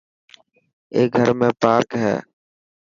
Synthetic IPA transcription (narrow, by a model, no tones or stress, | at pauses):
eːɡʱəɾmẽːpaːɾkɦɛ̰ː